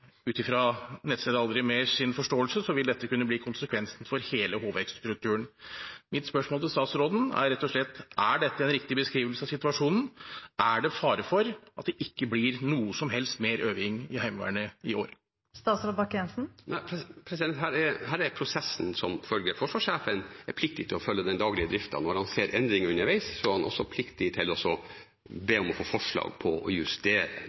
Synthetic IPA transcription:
ʉːt̪ɪfɾɑnɛt̪st̪eːd̪əɑld̪ɾɪmɛsɪnfɔʂʈoːəlsəsɔʋɪld̪ɛt̪ːəkʉnːəbliːkʰʊnsəkʰʋɛnsn̩fɔɾheːləɦoːʋɛkst̪ɾʉk̚t̪ʰʉːəɳmɪt̪spœʂmoːlt̪ʰɪst̪ɑːt̪sɾoːd̪n̩æ̰ɾɾɛt̪ːɔʂɭɛt̪ːæɖɛt̪ːəɛnɾɪk̚t̪ɪbəskɾiːʋəlsəɑsɪt̪ʉɑʂuːnn̩ʔæɖɛfɑːɾəfɔɾɑt̪̚d̪ɛʔɪkːəblɪɾnuːəsɔmɦɛlst̪meːɾʔøːʋɪŋɪhæɪmʋæ̰ːɳəɪoːɾ | st̪ɑːt̪sɾoːd̪bɑkɛnsn̩nʔæɪpʰɾɛsɪd̪ɛnt̪ɦæːɾɛɾɦæːɾɛɾpʰɾʊsɛsn̩sɔmfœlɡəɾfɔʂʋɑːʂeːfənɛɾpʰlɪk̚t̪ɪt̪ʰɪlɔfœlːəd̪ɛnd̪ɑːɡlɪəd̪ɾɪft̪ɑ̰nɔɾhɑnseːɾʔɛnd̪ɾɪŋʉnːəɾʋæɪssɔhɑnʔɔ̰sːɔpʰlɪkt̪ɪt̪ʰɪlɔsɔ | beːɔmɔfoːfɔʂɭɑ̰ːɡ̚pʰɔɔjʉst̪eːɾə̰

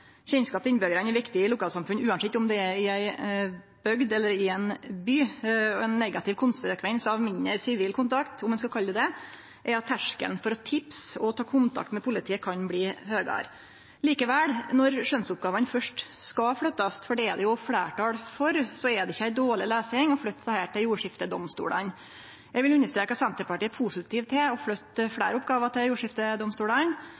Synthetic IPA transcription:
çɛnskɑːp̚t̪ɪnbøɡəɾɑnɛɾʋɪkt̪ɪɪlʊkʰɑːlsɑmfʉnʉːɑnsɪt̪ʊmd̪ɛɛɪæɪ | b̥œɡd̪ɛlːəɾɪɛnbyːɛnːɛɡɑt̪ʰɪʋkʰʊnsəɾkʰʋɛnsɑʋmɪnːəɾsɪʋiːlkʰʊnt̪ʰɑkt̪ʊmːɛnskɑkʰɑlːəd̪ɛ | ʔɛɾɑt̪ʰːæʂkə̰ln̩fɔɾɔt̪ʰɪpsɔt̪ʰɑːkʰʊnt̪ʰɑ̰kt̪mɛpʰʊlɪt̪ʰiːəkʰɑnbliːhøːɡɑ̰ɾ | liːkəʋæɽnɔɾʂœnsʊp̚ɡɑːʋɑnfœʂʈskɑfɽœt̪ːɑst̪fɔɖɛɛd̪ɛjʊfɽæ̰ːʈʰɑːɽfɔɾsɔɛd̪ɛɪçːəæɪd̪oːɭɪleːsɪŋɔfɽœt̪ːsæhæːʈɪljuːʂɪft̪əd̪ɔmst̪ṵːɽɑ̰n | jæɡʋɪlʉnːəʂt̪ɾeːkəsɛnt̪əɾpɑʈiːəpʰusɪt̪iːʋt̪ʰɪlɔfɽœt̪ːəfɽæ̰ːɾʊpɡɑːʋəʈɪljuːʂɪft̪əd̪ɔmst̪uːɽɑn

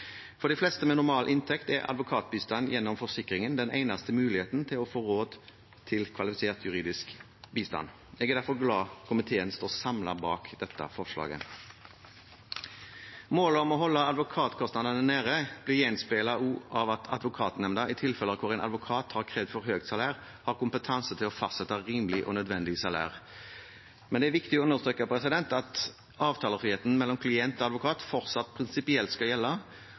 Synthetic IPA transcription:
fɔɾɖ̪ɛɪflɛst̪əmɛnʊʁmɑːlʔɪnt̪ʰɛkt̪ɛ̰ʁɑ̰d̪ʋʊkʰɑːt̪̚biːst̪ɑnjɛnːɔmfɔsɪkʁɪŋənd̪ɛnæ̰ɪnɑst̪əmʉːlɪheːt̪nt̪ʰɪlɔfoːʁoːd̪ | t̪ʰɪlkʰʋɑlɪfɪseːʁt̪ʰjʉʁiːd̪ɪsk | biːst̪ɑ̰n | ɛɡɛd̪æɾfɔʁɡlɑːkʰʊmɪt̪ʰeːənst̪oːsɑmlɑ̰bɑːkd̪̥ɛt̪ːɑ̰fɔʁʂlɑ̰ːɡə̰ | moːləɔmɔɦɔlːəɑd̪ʋʊkʰɑːt̪kʰɔst̪nɑd̪ənənæːɾəb̥lɪjɛnspeːlɑʔuːɑʋɑt̪ʰɑ̰d̪ʋʊkʰɑːt̪nɛmnd̪ɑʔɪt̪ʰɪlfɛləkʰʊʁæɪnʔɑ̰d̪ʋʊkʰɑːt̪hɑʁkʰʁeːʋd̪fɔʁhøːɡ̚t̪sɑlæːʁ | hɑːʁkʊmpət̪ʰɑnsət̪ʰɪlɔfɑst̪sɛt̪ːɑʁiːmlɪʔɔ̰nœd̪ʋɛnd̪ɪsɑlæ̰ːʁ | mɛnd̪ɛæɾʋɪkt̪ɪɔʉndəʁst̪ɾøːkəpʰɾɛsɪd̪ɛnt̪ɑt̪ | ɑːʋt̪ʰɑːləʁfʁiːheːt̪n̩mɛlːɔmkʰlɪɛnt̪ɔːɑd̪ʋʊkʰɑːt̪fɔʁt̪sɑt̪ːpʰʁɪnsɪpɪɛlt̪skɑjɛlːɑ

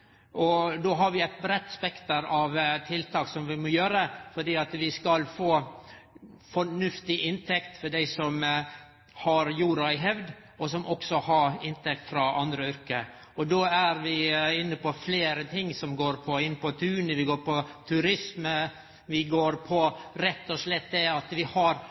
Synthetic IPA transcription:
ʔɔd̪oːɦɑɾʋɪæɪt̪̚bɾɛt̪ːspɛkt̪əɾɑʋt̪ʰɪlt̪ʰɑːksɔmʋɪmɔjøːɾəfɔɖiːɑt̪ʋɪskɑlfoː | fɔɳʉft̪ɪʔɪnt̪ʰɛkt̪fɔɖæɪsɔm | hɑɾjuːɾɑɪɦɛʋd̪ | ɔsɔmʔɔksɔhɑɾɪnt̪ɛk̚t̪fɾɑɑnd̪ɾəʏɾkə | ɔd̪oːæɾʋɪɪnːəpɔfleːɾət̪ʰɪŋːsɔmɡoːɾpʰɔɪnːpɔt̪ʰʉːnəʋɪɡoːɾpɔt̪ʰʉɾɪsmə | ʋɪɡoːɾpʰɔɾɛt̪ːɔʂɭɛt̪ːd̪ɛɑt̪ʋɪhɑɾ

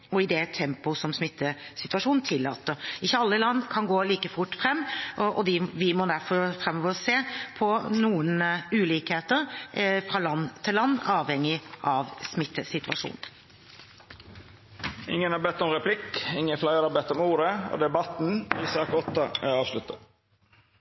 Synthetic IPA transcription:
ɔɪd̪ɛt̪ʰɛmpʊsɔmsmɪt̪ːəsɪt̪ʉʋɑʂuːnnt̪ʰɪlːɑːt̪ːəɾɪçːəɑlːəlɑnːkʰɑnɡoːliːkəfʊʈːfɾɛmːɔʔɔd̪ɪʋɪmɔd̪æɾfɔɾfɾɛmːɔʋəɾseːpʰɔnuːənʉːliːkheːt̪əɾfɾɑːlɑnːt̪ʰɪlːɑnːɑːʋhɛŋːɪʔɑʋsmɪt̪ːəsɪt̪ʉɑʂṵːn̩ | ɪ̰ŋːənhɑɾbɛt̪ːɔmɾɛpʰlɪkɪŋːəflɑɪəɾɑbɛt̪ːɔmuːɾəo̰d̪ɛbɑt̪n̩iːsɑːkɔt̪ːɑæ̰ɑːʋʃlʉt̪ə

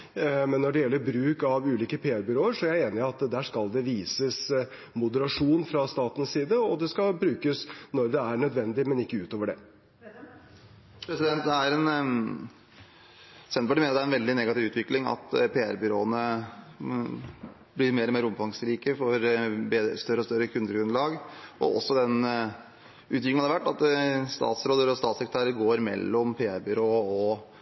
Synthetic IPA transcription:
mɛnːɔɖɛjɛlːəɾbɾʉːkɑʋʉːliːkəpʰeːæɾbʏɾoːəɾʂɔæɾjæɪeːnɪɑt̪d̪æːʂkɑld̪ɛʋiːsəs | mʊd̪əɾɑʂuːnfɾɑst̪ɑːt̪n̩ssiːd̪əɔd̪ɛskɑbɾʉːkəsnɔɾd̪ɛæɾɳœd̪ʋɛnd̪ɪmɛnɪkːəʉːt̪oːʋəɖɛ | pʰɾɛsɪd̪ɛnt̪̚d̪ɛæɾɛn | sɛnɔʈːɪmeːɑt̪æɾɛnʋɛld̪ɪnɛɡɑt̪ɪʋʉːt̪ʰʋɪklɪŋɑ̰t̪pʰeːæ̰ɾbʏɾoːənə | blɪɾmeːɾɔmeːɾəʊmfɑŋsɾiːkəfɔɾbeːst̪œɾəɔst̪œɾəkʰʉnd̪əɡɾʉnlɑːɡʔɔ̰ɔ̰sːɔd̪ɛn | ʔʉːt̪̬jɪŋnɑd̪ɛʋæʈːɑt̪st̪ɑ̰ːt̪sɾoːd̪əɾɔst̪ɑːt̪sɛkɾət̪æːɾəɾɡoːɾmɛ̰lːɔmpʰeːæɾbʏɾoːɔ

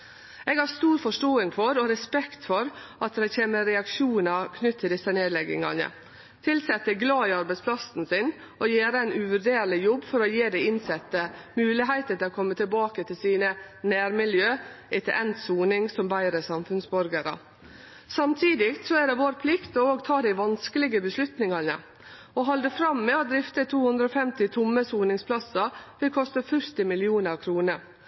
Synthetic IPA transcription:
eːɡhɑɾst̪uːɾfɔʂʈoːɪŋfɔɾɔɾɛspɛkt̪fɔɾʔɑt̪d̪æɪçeːməɾɛɑkʂuːnɑkʰnʏt̪ʰːɪld̪ɪsːəneːd̪lɛɡɪ̰ŋɑ̰nə̰ | t̪ʰɪlsɛt̪ːəɡlɑːɪɑɾbæɪtspʰlɑsn̩sɪn | ʔɔjeːɾəæɪnʉʋʉɾɖeːɾlɪjɔbːfɔɾɔjeːd̪æɪɪnsɛt̪ːəmʉːlɪɦæɪt̪ət̪ɪlɔkʰɔmːət̪ʰɪlbɑːkət̪ʰɪlsiːnənæːɾmɪljøːʔɪt̪ɛ̰ʔɛnt̪suːnɪŋsɔmbæɪɾəsɑmfʉnsbɔɾɡəɾɑ̰ | sɑmt̪ʰiːd̪ɪkt̪sɔæɖɛʋoːɾpʰlɪkt̪ɔoːɡt̪ʰɑːd̪æɪʋɑnskəlɪɡəbəslʉt̪nɪŋɑnə̰ | oːɦɑld̪əfɾɑmːeːɔd̪ɾɪft̪ət̪ʰuːhʉnd̪ɾɔːfɛmt̪ɪt̪ʰʊmːəsuːnɪŋspʰlɑsɑʋɪlkʰɔst̪əfʉɾt̪ɪmɪlɪuːnəkʰɾuːnəɾ

